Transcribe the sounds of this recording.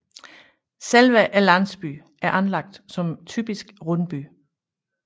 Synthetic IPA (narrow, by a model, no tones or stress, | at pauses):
selʋæʔælænsb̥y̰ | ʔæɐʔænlɑ̈ɡ̥̚d̥sɒ̽mt͡sʰy̰ːb̥isɡ̥ʁɔnb̥y